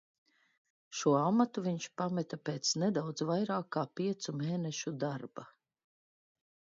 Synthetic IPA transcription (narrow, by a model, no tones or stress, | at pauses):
ʃuɔamat̪uviɲt͡ʃpamɛt̪apeːt̪snɛd̪awd̪zvajɾaːkːaːpiɛt̪sumeːnɛʃud̪aɾba